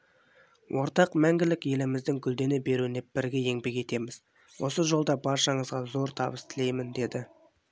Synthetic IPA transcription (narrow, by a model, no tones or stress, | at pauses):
wʔo̞ɾt̪ɑqmæŋɡʲɪlɪkje̞lɪmɪzd̪ɪŋkʲʰʏld̪e̞nebe̞ɾuɪneb̥ɪɾɡʲe̞je̞ŋbe̞kʲe̞t̪e̞mɪz | wo̞səʒo̞lˠd̪ɑbɑɾʃɑɴəzʁɑzo̞ɾt̪ʰɑbəst̪ʰɪle̞jmɪnd̪e̞d̪ɪ